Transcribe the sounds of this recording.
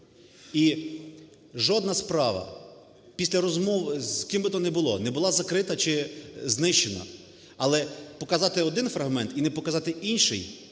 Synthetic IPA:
i | ʒɔd̪nɐspɾɑʋɐ̰ | pʲisʲlʲɐɾɔzmɔwzkimbɪt̪ɔnɛbʊlˠɔ̰nɛbʊlˠɑzɐkɾɪt̪ɐt͡ʃɪznɪʃt͡ʃenɐ̰ | ɐlˠɛpɔkɐzɑt̪ɪɔd̪ɪnfɾɐɦmɛnt̪inɛpɔkɐzɑt̪ɪʔinʃɪ̰j

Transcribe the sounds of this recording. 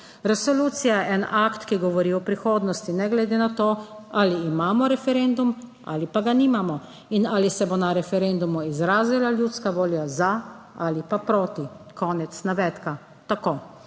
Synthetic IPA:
ɾɛsɔluːt̪sijaʔɛnʔakt̪kiɡɔʋɔɾiɔpɾixoːd̪nɔst̪inɛɡlɛd̪enat̪oːaliːmaːmɔɾɛfɛɾend̪umʔa̰ːlipaɡaniːmamɔ | inaːlisɛbonaɾɛfɛɾend̪umuizɾaːzilaljut̪skaʋoːljaza | alipapɾoːt̪ikɔːnɛt̪snaʋɛːt̪ka | t̪akoː

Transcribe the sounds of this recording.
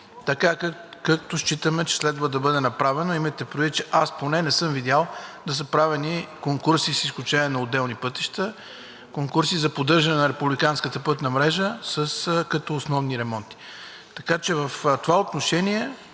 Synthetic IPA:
t̪ɐkakak̚t̪oʃt͡ʃit̪əmɛt͡ʃɛ̥slɛd̪vəd̪ɐbɤd̪ɛnɐpɾavɛnoimɐjt̪ɛpɾovit̪̚t͡ʃɛʔasponɛnɛsɤmvid̪ʲalˠd̪ɐs̬əpɾavɛnikoŋkuɾsisisklʲut͡ʃɛniɛnɐod̪ɛlˠnipɤt̪iʃt̪ə | koŋkuɾsizɐpod̪ɤɾʒɐnɛnɐɾɛpublikanskət̪əpɤt̪nɐmɾɛʒəsəskɐt̪ɔːsnɔvniɾɛmɔnt̪i̥ | t̪ɐkat͡ʃɛvəft̪ovaot̪noʃɛniɛ

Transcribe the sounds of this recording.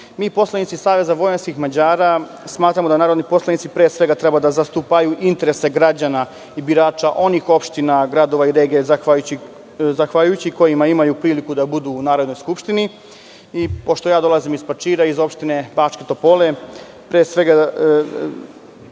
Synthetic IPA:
miːpo̞slˠanit̪sisaːʋe̞zaʋo̞jenskixmad͡ʑaːɾa | smaːt̪ɾamod̪anaːɾod̪nipo̞slanit̪sipɾeːsʋe̞ɡat̪ɾe̞bad̪azast̪upajuʔint̪eɾe̞se̞ɡɾad͡ʑana | ibiɾaːt͡ʃaʔo̞nixo̞pʃt̪inaɡɾad̪o̞ʋaiɾe̞ːɡezaai | zaxʋaʎujut͡ɕiko̞jimaimajupɾiːlikud̪abud̪uːnaːɾod̪no̞jskupʃt̪ini | ipo̞ʃt̪o̞jaːd̪o̞lˠazimispat͡ʃiːɾaizo̞pʃt̪ine̞bat͡ʃket̪o̞pole̞ | pɾeːsʋe̞ɡa

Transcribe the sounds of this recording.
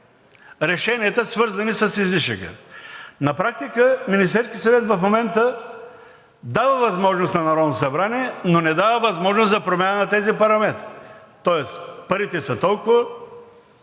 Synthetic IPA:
ɾɛʃɛniɐt̪əsvɤɾzɐnisɐsizliʃə̰kə̰nɐpɾak̚t̪ikəminist̪ɛɾskʲiət̪sɐvɛt̪vɐfmomɛnt̪ə | d̪avəvɐzmɔʒnost̪nɐnɐɾɔd̪not̪osɐbɾaniɛnonɛd̪avəvɐzmɔʒnost̪zɐpɾomʲjanənɐt̪ɛzipɐɾɐmɛt̪ɾ | t̪ɔɛspɐɾit̪ɛsɐt̪ɔlˠkʊvə

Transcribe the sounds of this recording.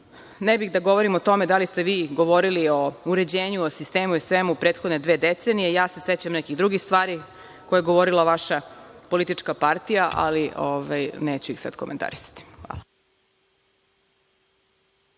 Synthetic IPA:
nɛbixd̪aɡo̞ʋoɾimot̪o̞med̪alist̪eʋiːɡo̞ʋoɾilio̞uɾe̞d͡ʑeːɲuosist̪e̞ːmuisʋemupɾet̪xod̪ned̪ʋe̞ːd̪et̪senijejaːse̞set͡ɕamnɛkiɣd̪ɾuɡixst̪ʋaːɾi | kojeɡoʋoɾilˠaʋaʃapo̞lit̪it͡ʂkapaɾt̪ijaʔa̰lioʋajneːt͡ɕuixsa̰d̪koment̪a̰ɾisḁt̪i̥xʋa̰ːlˠa

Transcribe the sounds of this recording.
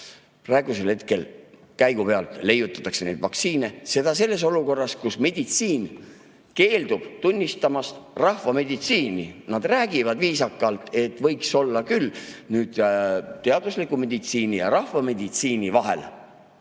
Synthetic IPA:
prɑe̞ɡ̥use̞lhe̞t̪ke̞l | kæjɡ̥upe̞ɑlt̪le̞jut̪ːˑɑ̥t̪ːɑksene̞̰jd̪̥vɑk̪siːne̞se̞d̪̥ɑs̬e̞lːe̞s̬o̞luko̞rːɑskusme̞d̪̥it̪siːn | ke̞ːld̪ub̥t̪unʲːist̪ɑmɑst̪rɑhvɑme̞d̪it̪siːninɑd̪̥ræːɡ̥ivɑd̪viːsɑkːˑɑlt̪e̞t̪ːˑvɤ̞jkso̞lːɑkylnyːd̪̥t̪ːe̞ɑd̪uslikume̞d̪it̪siːnijɑ̰ɾɑhvɑme̞d̪̥it̪siːnivɑɦe̞̰l

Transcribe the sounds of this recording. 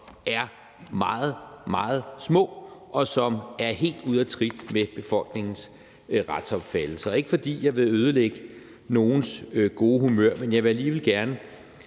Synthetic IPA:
æɐ | mɑ̈ːð̞̩ˠmɑ̈ːð̞̩ˠsmɔ̰̽ːʔɒ̽sɒ̽mæɐhe̝̰ːld̥uð̞ˠɒt͡sʰʁid̥meb̥e̝fɒ̽l̰ɡ̥ne̝ŋn̩s | ʁɑd̥sɒ̽b̥fæd̥l̩sɐe̝ɡ̥əfɒ̽d̥ḭːjɑ̈ɪʋe̝øːð̞ˠəleɡ̥ə | no̝ːn̩sɡ̥o̝ːhumøɐ̰menjɑ̈ɪʋeæliːʋe̝lɡ̥æɐnə

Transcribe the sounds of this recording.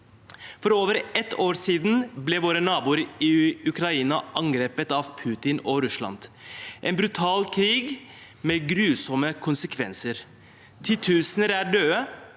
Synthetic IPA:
fɔɾoːʋəɾɛt̪oːɾsiːd̪n̩blɛʋoːɾənɑːbuːɾɪʉkɾɑiːnɑʔɑŋɡɾeːpət̪ɑʋpʰʉːt̪ɪnɔɾʉslɑ̰nd̪ʔɛnbɾʉt̪ʰɑːlkʰɾiːɡ | meɡɾʉːsɔməkʰʊnsəkʰʋɛ̰nsəɾ | t̪ʰɪt̪ʰʉːsənəɾæːɖøːə

